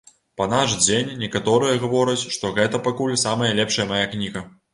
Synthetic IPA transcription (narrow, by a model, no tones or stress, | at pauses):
pɐnaʂd͡zʲenʲːɛkat̪ɔɾɨjɐɣavɔɾɐt͡sʲʂt̪ɔɣɛt̪ɐpakulʲsamɐjɐlʲɛpʂɐjɐmajaknʲiɣɐ